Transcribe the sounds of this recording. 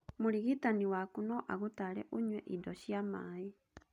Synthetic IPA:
moɾiɣitaniwakunɔʔaɣotaɾɛʔoɲwɛʔidɔɕjamae

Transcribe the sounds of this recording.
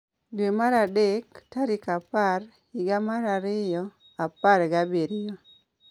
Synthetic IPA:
dwemaɾadektaɾɪkapar | ɪɡamaɾaɾɪjɔ | apaɾɡabeɾɪjɔ

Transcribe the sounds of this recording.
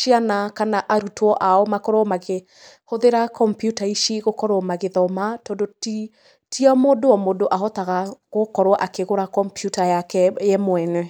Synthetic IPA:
ʃianakanaʔaɾutʰwɔʔaɔmakɔɾɔmaɣe | hoðeɾakɔmpjutaiʃeɣokɔɾɔmaɣeðɔmatɔndoti | tʰiamodoɔmodoʔaɦɔtaɣaɣokɔɾwɔʔakeɣoɾakɔmpjutajakɛjɛmwɛnɛ

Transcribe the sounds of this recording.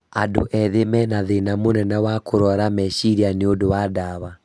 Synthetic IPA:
ado̰ʔɛðemɛnaðenamonɛnawakoɾɔɾamɛʃiɾianeodowadaβa

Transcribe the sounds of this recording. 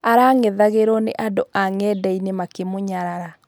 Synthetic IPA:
aɾaŋeðaɣeɾɔnḛʔadoʔaŋɛdɛinemakemoɲaɾaɾa

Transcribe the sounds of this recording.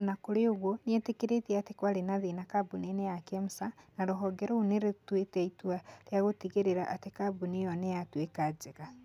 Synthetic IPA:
nakoɾeoɣwoniɛtekeɾetiatekwaɾenaðenakabunenejakemusanaɾoɦɔɡɛɾouneɾetwetɛitwaɾjaɣoteɣeɾeɾaʔːtekabunejɔnejatwekad͡ʒeɣa

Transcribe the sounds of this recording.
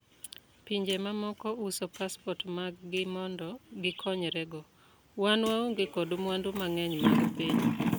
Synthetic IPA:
piɲd͡ʒemamɔkɔusɔpaspɔtmaɡɡɪmɔndɔɡɪkʰɔɲɾɛɡɔ | wanwaoŋɡekɔdomwandumaŋɛɲwaɡpiɲ

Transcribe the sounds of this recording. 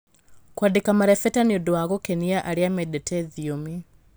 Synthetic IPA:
kwadekamaɾɛfɛtaniodowaɣokɛniaʔaɾeamɛdɛtɛðiomi

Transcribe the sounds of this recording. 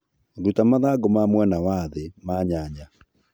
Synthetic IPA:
ɾutamaðaɡomamwɛnawaðemaɲaɲa

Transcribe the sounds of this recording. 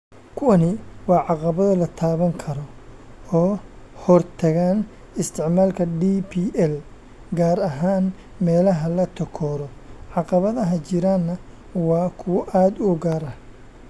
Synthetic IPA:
kʰʊwɐnɪwɑːʕɑqɑβɐðɐlɐt̪ʰaːβɐŋkʰɐɾɔ | ɔː | hɔrt̪ʰɐɣaːn | ɪst̪ʰɪʕmaːlkʰɐɖiːpʰiːʔɛl | ɡaːɾɐɦaːn | mɛːlɐɦɐlɐt̪ʰɔkʰɔːɾɔʕɑqɑβɐðɐɦɐt͡ʃɪɾaːnːɐ | wɑːkʰʊwɐʔaːd̪ʊɡaːɾɐh

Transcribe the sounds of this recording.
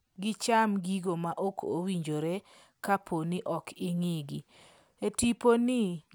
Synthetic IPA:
ɡɪt͡ʃamɡiɡomaʔokʰowiɲd͡ʒoɾe | kapʰonɪʔɔkʰɪŋiɡi | etiponɪ

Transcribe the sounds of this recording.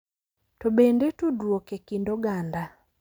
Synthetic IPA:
tobendetodwokekindoɡanda

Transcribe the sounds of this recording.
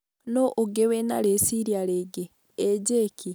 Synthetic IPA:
noʔoɡewena̰ɾesiɾjaɾeɡeː | ɟekʰi

